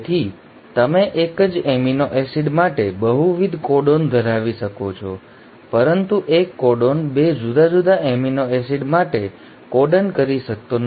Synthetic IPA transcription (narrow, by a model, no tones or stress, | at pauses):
t̪ʰi | t̪əmeʔekəd͡ʒeminoʔɛsiɖmaʈebəɦuʋid̪ʱkɔɖond̪ʱəɾaʋiʃəkot͡ʃʰɔ̰ | pəɾənt̪uʔekːɔɖonbed͡ʒud̪ad͡ʒud̪aeminoɛsiɖmaʈe | kɔɖənkəɾiʃək̚t̪on